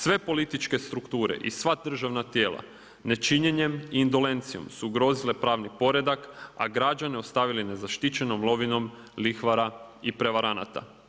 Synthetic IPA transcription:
sʋe̞po̞lit̪it͡ʃke̞st̪ɾukt̪uːɾe̞̰ʔḭsʋad̪r̩ʒaʋnat̪je̞ːlˠa̰ | ne̞t͡ʃiɲe̞ɲe̞miːnd̪o̞le̞nt̪sio̞̰msuːɡɾo̞ːzile̞pɾaːʋnipo̞ɾe̞d̪aka̰ɡɾad͡ʒaneo̞st̪aʋiline̞zaʃt̪it͡ʃe̞no̞mlˠo̞ʋino̞m | lixʋaɾaipɾe̞ʋaɾana̰t̪a̰

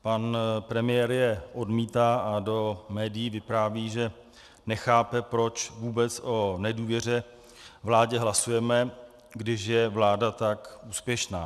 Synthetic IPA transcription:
panpɾɛmɪjɛːɾjɛʔodmiːt̪aːʔado̞mɛːdɪjivɪpɾaːviːʒɛ | nɛxaːpɛpɾo̞t͡ʃvuːbɛt͡sʔo̞nɛduːvjɛr̝ɛ | vlaːɟɛɦlasujɛmɛ | ɡdɪʃjɛvlaːdat̪akʔuːspjɛʃna̰ː

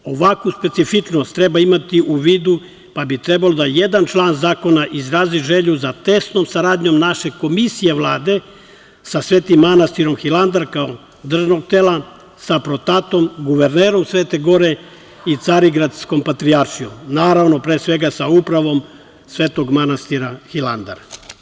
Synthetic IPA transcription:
o̞ʋakuspe̞t̪sifit͡ʃnost̪ːɾe̞baimat̪iʔuʋiːd̪u | pabit̪ɾe̞balo̞d̪aje̞d̪ant͡ʃlˠaːnzaːko̞naʔizɾaːziʒeʎuzat̪e̞st̪no̞msaɾaːd̪ɲo̞mnaʃe̞ko̞misije̞ʋlˠaːd̪e̞ | sasʋeːt̪imːanast̪iɾo̞mxiland̪aɾkao | d̪r̩ʒno̞ɡ̚t̪eːlˠa | sapɾo̞t̪at̪o̞mɡuʋeɾneːɾo̞msʋe̞ːt̪e̞ɡo̞ɾe̞ | it̪saɾiɡɾad̪sko̞mpat̪ɾiaɾʃijo̰mnaːɾaʋno̞pɾeːsʋe̞ɡasaupɾaʋo̞m | sʋeːt̪o̞ɡmanast̪iɾaxiland̪a̰ɾa

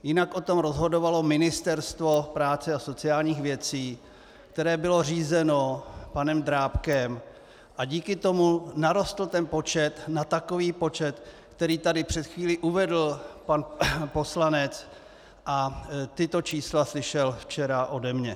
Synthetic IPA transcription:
jɪnakʔo̞t̪o̞mɾozɦo̞do̞valo̞mɪnɪst̪ɛɾst̪vo̞pɾaːt͡sɛaso̞t͡sɪaːlɲiːxvjɛt͡siː | kt̪ɛɾɛːbɪlo̞r̝iːzɛno̞panɛmdɾaːpkɛm | ʔaɟiːkɪt̪o̞munaɾo̞st̪l̩t̪ɛnpo̞t͡ʃɛt̪nat̪ako̞viːpo̞t͡ʃɛt̪ | kt̪ɛɾiːt̪adɪpr̝̥ɛt̪xviːlɪʔuvɛdl̩panpo̞slanɛt͡s | ʔat̪ɪt̪o̞t͡ʃiːslaslɪʃɛlft͡ʃɛɾaʔo̞dɛmɲɛ

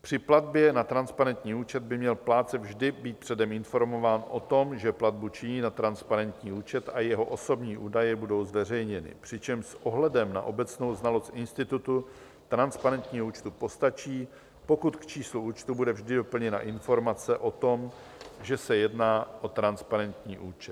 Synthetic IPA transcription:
pr̥ɪplad̪̚bjɛnat̪ɾanspaɾɛnt̪ɲiːuːt͡ʃɛd̪̚bɪmɲɛlplaːt͡sɛvʒdɪbiːt̪̚pr̥ɛdɛmɪnfo̞ɾmo̞vaːnʔo̞t̪o̞mʒɛplad̪̚but͡ʃɪɲiːnat̪ɾanspaɾɛnt̪ɲiːuːt͡ʃɛt̪ajɛɦo̞ʔo̞so̞bɲiːʔuːdajɛbudo̞wzvɛr̝ɛjɲɛnɪ̰pr̥ɪt͡ʃɛmʃsʔo̞ɦlɛdɛmna̰ʔo̞bɛt͡sno̞wznalo̞st̪ʔɪnst̪ɪt̪ut̪u | t̪ɾanspaɾɛnt̪ɲiːɦouːt͡ʃt̪upo̞st̪at͡ʃiː | po̞kut̪kt͡ʃiːsluʔuːt͡ʃt̪ubudɛvʒdɪdo̞pl̩ɲɛna̰ʔɪnfo̞ɾmat͡sɛʔo̞t̪o̞m | ʒɛsɛjɛdnaːʔo̞t̪ɾanspaɾɛnt̪ɲiːʔuːt͡ʃɛt̪

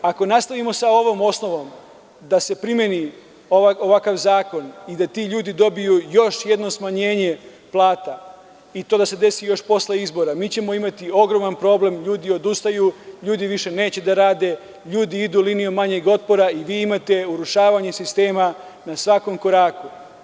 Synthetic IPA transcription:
ako̞nast̪aʋimo̞sao̞ʋo̞mo̞sno̞ʋo̞m | d̪ase̞pɾimje̞ni | oaoʋakaʋzaːko̞nid̪at̪iʎuːd̪id̪o̞bijujo̞ʃje̞d̪nosmaɲe̞ːɲe | plˠaːt̪a | it̪oːd̪ase̞d̪e̞sijo̞ʃpo̞sle̞izbo̞ɾamiːt͡ɕe̞mo̞imat̪io̞ɡɾo̞manpɾo̞ble̞mʎuːd̪io̞d̪ust̪ajuʎuːd̪iʋiʃe̞ne̞ːt͡ɕe̞d̪aɾaːd̪e̞ | ʎuːd̪iid̪uːlinijumaɲe̞ɡo̞t̪̚po̞ɾaiʋiːimat̪e̞uɾuʃaːʋaɲesist̪e̞ːma | nasʋako̞mko̞ɾaːku

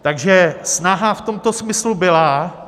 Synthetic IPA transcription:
t̪aɡʒɛsnaɦaft̪o̞mt̪o̞smɪslubɪla

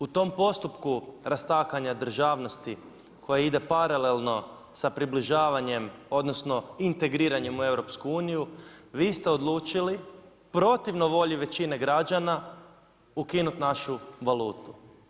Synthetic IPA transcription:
ut̪o̞mpo̞st̪upkuɾast̪aːkaɲad̪r̩ʒaːʋno̞st̪i | kʰo̞jaid̪e̞paɾale̞lˠno̞ | sapɾibliʒaːʋaɲe̞mo̞d̪no̞sno̞int̪e̞ɡɾiːɾaɲemue̞wɾo̞pskuuːnijuʋiːst̪e̞od̪lˠuːt͡ʃili | pɾo̞t̪iʋnoʋo̞ʎiʋe̞t͡ɕine̞ɡɾad͡ʒana | ukinut̪naʃuʋaluːt̪u̥

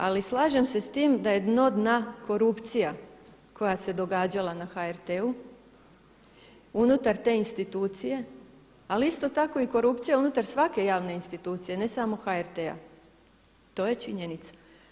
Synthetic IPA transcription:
a̰lislˠaːʒe̞mse̞st̪iːmd̪ajed̪no̞d̪nako̞ɾupt̪sija | kʰo̞jase̞d̪o̞ɡaːd͡ʑalanaxaeɾt̪eu | unut̪aɾt̪e̞ːinst̪it̪uːt̪sije̞ | aliist̪o̞t̪ako̞iko̞ɾupt̪sijaunut̪aɾsʋake̞jaːʋne̞inst̪it̪uːt̪sije̞ne̞samo̞xaeɾt̪ea̰ | t̪o̞ːje̞t͡ʃiɲe̞nit̪sḁ

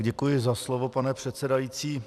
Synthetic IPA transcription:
ɟɛkujɪzaslovo̞panɛpr̝̥ɛt̪sɛdajit͡siː

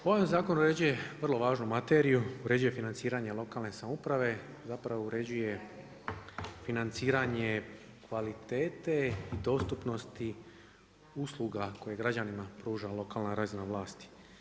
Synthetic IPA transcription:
oamzaːko̞nuɾe̞d͡ʑuje̞ʋr̩lˠo̞ʋaːʒnumat̪eɾijuuɾe̞d͡ʑuje̞finant̪siːɾaɲe̞lˠo̞kaːlne̞samupɾaʋe̞ | zapɾaʋouɾe̞d͡ʑuje̞ | finant̪siːɾaɲe̞ | kʋalit̪e̞ːt̪e̞id̪o̞st̪upno̞st̪i | uslˠuɡako̞je̞ɡɾad͡ʑanimapɾuːʒalˠo̞kaːlnaɾazinaʋlˠaːst̪i̥

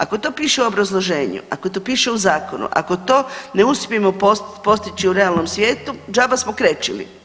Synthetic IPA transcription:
ako̞t̪oːpiːʃeuo̞bɾazlˠo̞ʒeːɲṵʔakot̪opiːʃe̞uzaːkonṵʔa̰kot̪o̞ːne̞uspʲiemopopo̞st̪it͡ɕiuɾe̞alˠno̞msʋje̞ːt̪ud͡ʒaːbasmokɾet͡ʃilḭ

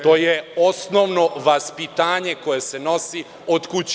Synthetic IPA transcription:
t̪o̞ːjeo̞snoʋno̞ʋaspit̪aːɲeko̞je̞se̞no̞si | od̪kut͡ɕ

